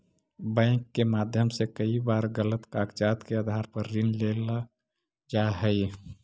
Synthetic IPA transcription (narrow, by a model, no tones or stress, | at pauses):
bɛ̃ːkːemaːd̪ʱjəmsekəibaːɾɡələt̪kaːkt͡ʃaːt̪keəd̪ʱaːɾpəɾːɪnlela | d͡ʒaɦɛi